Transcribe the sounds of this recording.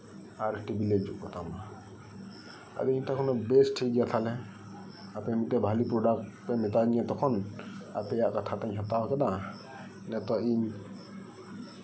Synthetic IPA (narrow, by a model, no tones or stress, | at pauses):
aɾʈibiled͡ʒuʔkɔt̪ama | a̰d̪ɛiɲt̪akʰɔnɔbesʈʰik̚ɡijat̪ʰalɛ | apɛmit̪ɛbʱalipɾɔɖak̚tpɛmɛt̪anijat̪ɔkʰɔna̰pɛjaʔkat̪ʰat̪aɲɦɛt̪awɔkɛd̪a | nɛt̪ɔiɲ